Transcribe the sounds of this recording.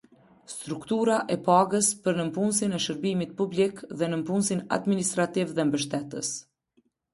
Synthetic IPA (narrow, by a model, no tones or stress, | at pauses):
st̪ɾukt̪uɾaʔɛpaɡəspəɾnəmpunsinɛʃəɾbimit̪̚publikðɛnəmpunsina̰d̪minist̪ɾat̪ivðɛmbəʃ̬t̪ɛt̪ə̰s